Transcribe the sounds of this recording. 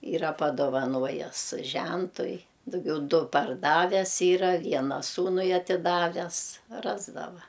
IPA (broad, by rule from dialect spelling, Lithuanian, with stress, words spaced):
ˈiːrɐ pɐdoːʋɐˈnoːjɛs ˈʒʲɛntʊɪ dʊˈɡʲɛʊ ˈdʊ pɐrˈdɑːʋʲɛs ˈiːrɐ ˈʋʲiɛnɐ ˈsuːnʊɪ ɐtʲɪˈdɑːʋʲɛs ˈrɑːzdɐʋɐ